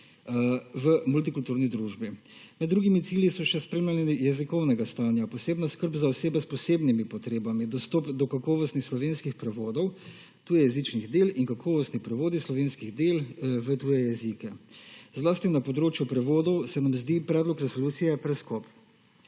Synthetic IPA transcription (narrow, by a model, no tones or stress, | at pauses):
ʋəmult̪ikult̪uːɾnid̪ɾuːʒbimɛd̪ːɾuːɡimit̪siːljisɔʃɛspɾeːmlaniijɛzikɔwnɛɡast̪aːnjapɔseːbnaskəɾbzaɔseːbɛspɔseːbnimipɔt̪ɾeːbamid̪ɔst̪ɔpd̪ɔkakɔːʋɔst̪nixslɔʋeːnskixpɾɛʋoːd̪ɔw | t̪uːjɛjɛzit͡ʃniɣd̪elinkakʰɔːʋɔst̪nipɾɛʋoːd̪islɔʋeːnskiɣd̪eːlʋət̪uːjɛjɛzikɛzlaːst̪inapɔd̪ɾoːt͡ʃjupɾɛʋoːd̪ɔwsɛnamzd̪ipɾɛːd̪lɔkɾɛsoluːt̪sijɛpɾɛskɔp